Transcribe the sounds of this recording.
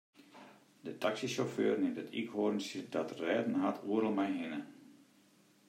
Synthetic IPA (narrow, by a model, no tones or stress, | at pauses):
dətʰaksisoføːrnɪmtətʰḭkhoːrn̩sjədɔtrɛːdn̩ɦatʰuəɾəlˠmɛjɦɪnə